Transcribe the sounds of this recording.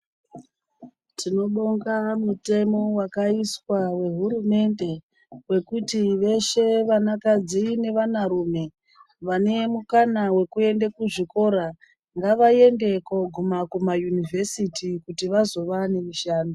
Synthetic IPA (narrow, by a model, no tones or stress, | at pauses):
tʰino̞ɓoŋɡamute̞mo̞wakaiswawe̞ɦuɾume̞nde̞ | we̞kutiʋe̞ʃe̞ʋanakad͡zine̞ʋanaɾume̞ | ʋane̞mukanawe̞kue̞ndekuʐiko̞ɾa | ŋɡaʋaje̞nde̞koɡʱumakumajunivʱe̞sitikutiʋazo̞ʋane̞miʃaːno